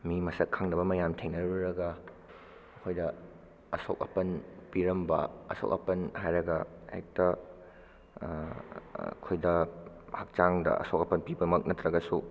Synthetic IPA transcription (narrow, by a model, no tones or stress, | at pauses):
mimɐsɐkʰːaŋnɐbɐmɐjamtʰeŋnɐɾuɾɐɡɐ | ɐkʰojdɐ | ɐsok̚ɐpɐnpiɾɐmbɐ̰ɐ̰so̰kɐ̰pɐnhajɾɐɡɐḛk̚tɐ | kʰojdɐ | hɐk̚t͡ʃaŋdɐ̰ɐ̰sok̚ɐpɐnpibɐmɐk̚nɐt̪ɾɐɡɐsu